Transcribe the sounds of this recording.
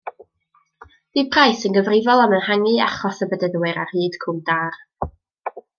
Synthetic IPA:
d̥ipʰrajsənɡəvrɪvɔlˠamənhaŋɨa̰χɔsəbədəðwɨɾarhiːd̥kʰʊmdaːr

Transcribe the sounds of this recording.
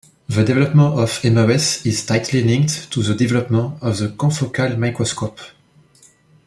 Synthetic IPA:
ðədɛvɛlɔpmə̃nɔvɛmawɛsiz̥tajt̪ʰlilĩŋkttʰuðədɛvɛlɔpmə̃nɔvðəkɔ̃fɔkʰalmajkɹɔskɔp

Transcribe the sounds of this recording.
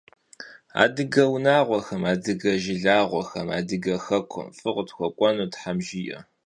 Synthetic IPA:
a̰ːdɨɡɐwnaːʁʷɔxɐmaːdɨɡɐʒɪɮaːʁʷɔxɐma̰ːdɨɡɐxɐkʷʰʊ̰fʼɨʁtxʷɔkʷʼɔnuːtħamʒɪjɐ̰

